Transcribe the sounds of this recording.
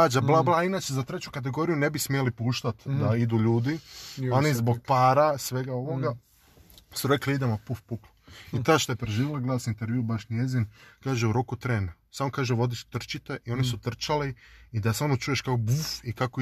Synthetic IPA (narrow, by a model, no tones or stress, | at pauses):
ad͡ʒablˠablˠainaːt͡ʃezat̪ɾet͡ʃukat̪̬eɡo̞ɾijunebismijelipuːʃt̪at̪d̪aid̪uʎuːd̪io̞nizboɡ̚paːɾasʋeɡao̞ʋoɡa | suɾekliid̪emopufpukloit̪aʃt̪ojepɾeʒiːʋelˠaɡlad̪sint̪eɾʋjuubaʃnjezinkaːʒeuɾokut̪ɾeːnsaːmokaːʒeʋo̞d̪isu̥t̪r̩t͡ʃit̪eʔio̞nisut̪r̩t͡ʃaliid̪asamot͡ʃuje̞ʃkaobufikako